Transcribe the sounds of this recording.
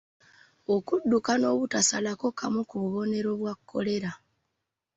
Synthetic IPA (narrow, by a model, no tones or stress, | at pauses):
o̞kudːukano̞ːβutasalako̞kʰamukuβuβo̞ne̞ɾo̞βwakkʰːo̞̰le̞ɾa